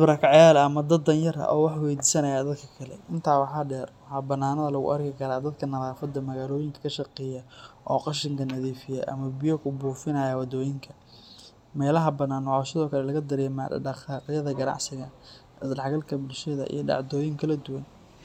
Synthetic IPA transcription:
bɾɐkʰɑʕjaːlɐɐmɐd̪ɐd̪ɐnjɐɾɐ̰ʔɔ̰ːwɑħwɛjd̪iːsɐnɐjaːd̪ɐd̪kʰɐ̥kʰɐlɛ̰ʔɪnt̪ʰaːwɑħɑːɖɛːrwħɑbɐnːaːnɐðɐlɐɣʊ̰ʔɐ̰rkʰɪkʰɐɾaːd̪ɐd̪kʰɐnɐðaːfɐd̪ːɐmɐɣaːlɔːjɪŋkʰɐ̥kʰɐʃɑqɛːjɐʔɔːqɑʃɪŋkʰɐnɐðiːfɪjɛ̰ʔɐ̰mɐbɪjɔkʰʊbuːfɪnɐːjɐwɑd̪ɔːjɪŋkʰɐ | mɛːlɐɦɐbɐnaːnwʕɔsɪðɔːkʰɐlɛlɐɣɐd̪ɐɾɛːmɐɐqɑːqɪjɐðɐɡɐnɑ̰ʕsɪɣɐ | sɖɑħɡɐlkʰɐbʊlʃɐðɐ̰ʔḭjɞɖɑ̰ʕd̪ɔːjɪŋkʰɐlɐd̪ʊwɐn

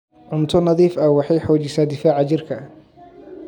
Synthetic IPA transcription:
ʕʊnt̪ʰʊnɑðiːfɐwɑħɑjħɔːt͡ʃɪsaːd̪ɪfaːʕɑt͡ʃɪrkʰɐ

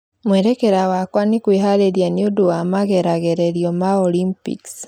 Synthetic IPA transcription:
mweɾekeɾawakwanikwiɦaleɾijanioduwamaɣeɾaɣeɾeɾjɔmaolimpḭks

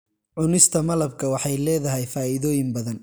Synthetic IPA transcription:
ʕʊnɪst̪ʰɐmɐlɐbkʰɐwɑħɑjlɛːðɐɦɛjfaːɪðɔːjɪmbɐðɐn

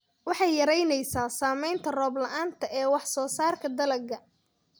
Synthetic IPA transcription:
wɑħɑjːɐɾɛjnɛjsaːsaːmɛjnt̪ʰɐrɔːblɐʔaːnt̪ʰɐʔɛːwɑħsɔːsaːrkʰɐd̪ɐlɐɡɐ

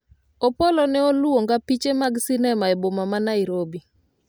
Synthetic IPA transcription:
opolɔnɛoluoŋɡapit͡ʃemaɡsinɛmaɛbomamanaɪɾobi

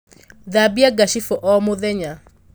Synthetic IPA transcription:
ðabiaɡaʃifɔʔɔmoðɛɲa

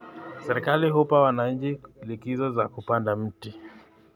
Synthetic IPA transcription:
sɛɾɛkaliɦupawanaɲ̩t͡ʃilikizɔzakupandam̩ti

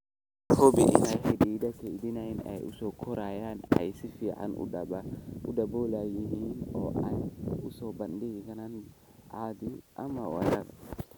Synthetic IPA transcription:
hɔbɪʔɪ̰najħɪd̪iːd̪ɐkʰɛjd̪ɪnɐɪnɛ̰jʊ̰sɔːkʰɔɾaːjaːnɐ̰jsɪfiːʕa̰nʊ̰ | ʊdɐboːlajɪɦiːnɔ̰ːʔɐjʊsɔːbɐndɪɡɪɡɐnɐn | ʔaːd̪ɪʔɐmɐwɐ̰ɾɐ̰ɾ

